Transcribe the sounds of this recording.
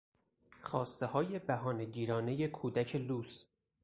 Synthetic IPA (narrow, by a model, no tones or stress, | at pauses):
xɒːst̪e̞hɒːje̞bæɦɒːneɟiːɾɒːne̞je̞kʰuːd̪æcʰe̞luːs